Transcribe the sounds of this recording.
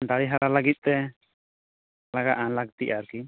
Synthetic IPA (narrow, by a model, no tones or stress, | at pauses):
d̪aɽiɦaɾalaɡit̪̚t̪ɛ | laɡa̰ʔalak̚t̪iʔaɾki